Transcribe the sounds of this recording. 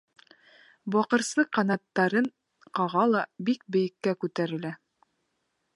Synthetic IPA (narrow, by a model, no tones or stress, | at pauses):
bɑqɤ̆ɾsɤqɑnɑt̪ːɑɾɤɴ | qɑʁɑlˠɑbik̚bɘ̆jɘ̆kːækʉt̪æɾɘ̆læ